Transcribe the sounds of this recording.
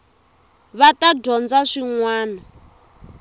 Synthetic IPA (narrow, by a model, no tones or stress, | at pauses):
βataɟɔnd͡zaʂiŋwaːnɔ